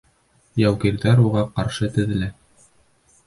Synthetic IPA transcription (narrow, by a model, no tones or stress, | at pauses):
jæwkiɾðæɾuʁɑqɑɾʃɤt̪ɘ̆ðɘ̆lɘ